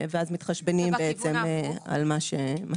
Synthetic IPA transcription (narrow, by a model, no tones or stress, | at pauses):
veazmit̪χaʃbenimbeet͡se̞ma̰lmaʃema